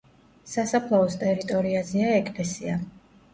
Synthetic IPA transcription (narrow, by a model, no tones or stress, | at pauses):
sasapʰlˠaɔst̪ʼɛɾit̪ʼɔɾiazɛaɛkʼlɛsia